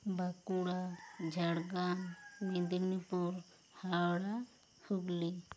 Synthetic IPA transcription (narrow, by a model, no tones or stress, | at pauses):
bakuɽad͡ʒʱaɽɡammẽd̪iɾnipuɾ | hawɽa | huɡli